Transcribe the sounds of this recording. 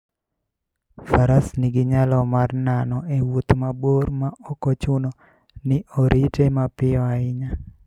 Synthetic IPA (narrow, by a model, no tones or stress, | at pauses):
faɾasnɪɡɪɲalɔmarnanɔewut̪maboɾmaɔkot͡ʃʊno | nɪʔoɾʔitemapɪɔaɪɲa